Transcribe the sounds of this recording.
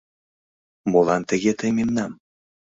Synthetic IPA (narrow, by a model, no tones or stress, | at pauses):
molɑnt̪əɣet̪əjmenːɑm